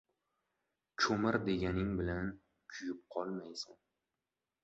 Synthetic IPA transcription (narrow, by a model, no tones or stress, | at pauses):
t͡ʃʰʊmɪɾd̪e̞ɡʲanɪŋbɪlan | kʲʰʊjɪp̚qʰɒlˠmajsʊŋ